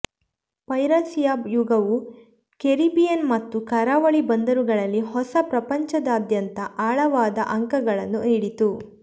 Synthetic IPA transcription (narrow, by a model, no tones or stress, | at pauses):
pɐjɾɐsijaːjuɡɐʋu | keɾibijɐnmɐt̪ːukɐɾaːʋɐɭibɐnd̪ɐɾuɡɐɭɐlːihɔsɐpɾɐpɐɲt͡ʃɐd̪ɐːd̪jɐnt̪ɐʔaːɭɐʋaːd̪ɐ̰ʔɐŋkɐɡɐɭɐnːuiɽit̪u